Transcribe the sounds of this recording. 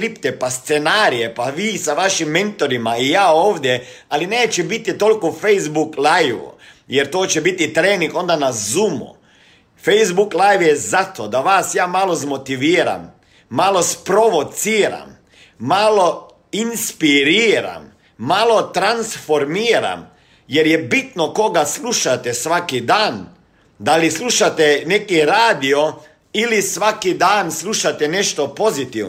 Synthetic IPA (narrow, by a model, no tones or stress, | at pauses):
ɾipt̪epast̪senaːɾijepaʋiːsaʋaʃimːent̪oɾimaijaːoːʋd̪je | alineːt͡ʃɛbit̪it̪o̞likofejzbuklajʋṵ | jeɾt̪oːt͡ɕɛbit̪it̪ɾeːniŋɡo̞nd̪anazumṵ | fejzbuklˠajʋjezat̪od̪aʋaːsjaːmalo̞zmo̞t̪iʋiːɾa̰mː | alo̞spɾo̞ʋot̪siːɾa̰mː | alo̞ | inspiɾiːɾa̰mː | alˠo̞t̪ɾansfoɾmiːɾa̰m | jeɾjebit̪noko̞ɡasluʃat̪esʋakid̪aːn | d̪alislˠuʃat̪enekiɾaːd̪io | ilisʋakid̪aːnslˠuʃat̪ɛneʃt̪opo̞zit̪iʋn